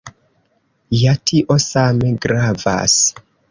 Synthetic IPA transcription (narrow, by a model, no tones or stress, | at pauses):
jatʰiʔo̞sameɡɾava̰s